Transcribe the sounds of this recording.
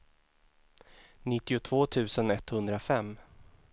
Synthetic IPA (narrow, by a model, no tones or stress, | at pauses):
nɪt̪ːɪʊt̪ʰv̥oːt̪ʰʉ̟ːsənɛt̪hɵnd̪ɾafɛmː